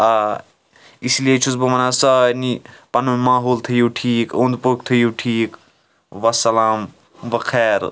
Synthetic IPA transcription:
a | islijet͡ʃʰuzbɐmɐnasɐnipɐnumaːɦoːlt̪ʰəjuːʈʰiːkõnd̪pok̚t̪ʰɐjuʈʰiːk | ʋɐsɐlaːm | ʋɐkʰɛːɾ

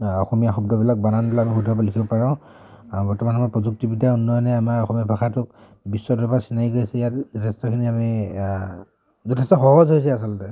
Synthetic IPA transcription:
ɔxɔmijaxɔbdɔbilak̚bananblakamixudʱɔbalikʰibɔpaɹɔ | bɔɹtɔmanamaɹpɹɔzuk̚tibidaunːɔjnɛamaɹɔxɔmiabʱaxatʊk̚ | bisːɔdɔpasinajɡojsɛjatzutʰɛstɔkʰiniami | zɔtʰɛstɔxɔɦɔzɦojs̬ɛasɔltɛ

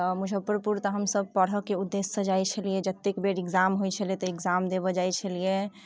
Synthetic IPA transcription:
t̪ɔmud͡ʒʱəpɾpuɾt̪ɔɦəmsəb̚pəɽ̤əkeud̪ːesːəd͡ʒajt͡ʃʰəlied͡ʒət̪ːekbeɾeɡzamɦojt͡ʃʰəlet̪ɔeɡzamd̪eβɔd͡ʒajt͡ʃʰəlije

